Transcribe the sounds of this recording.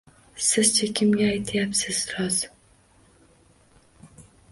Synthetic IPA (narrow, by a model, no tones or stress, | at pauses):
sɪz̥t͡ʃʰekʲʰimɡʲɛːjt̪ʰɪjapsɪz̥ɾɑzm